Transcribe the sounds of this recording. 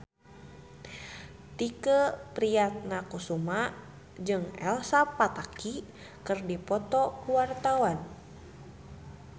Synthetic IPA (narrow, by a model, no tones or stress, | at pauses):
t̪ikəpɾijat̪̚nakusuma | d͡ʒɨŋɛ̰lsapat̪aki | kɨrdipɔt̪ɔkuwart̪awan